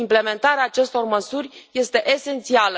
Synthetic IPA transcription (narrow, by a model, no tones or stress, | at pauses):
imple̞me̞nt̪aɾeaːt͡ʃe̞st̪o̞rməsurʲje̞st̪e̞ʔese̞nt̪sialə